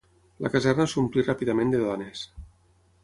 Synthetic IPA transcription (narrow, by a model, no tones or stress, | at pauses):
la̰kazɛrnasumplirapiðamẽnd̪eðɔnes